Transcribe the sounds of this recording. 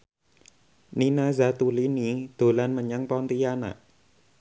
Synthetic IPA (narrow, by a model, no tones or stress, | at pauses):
ninazat̪ulinid̪̥o̤lanməɲaŋpɔnt̪ijana̰ʔ